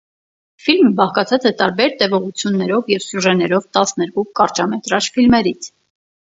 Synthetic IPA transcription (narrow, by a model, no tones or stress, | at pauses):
filmbɑχkɑt͡sʰɑt͡sɛt̪ɑɾbɛɾt̪ɛvɔʁut͡sʰjunːɛɾɔvjɛvsjuʒɛnɛɾɔvt̪ɑsnɛɾkukɑɾt͡ʃɑmɛt̪ɾɑt͡ʃfilmɛɾit͡sʰ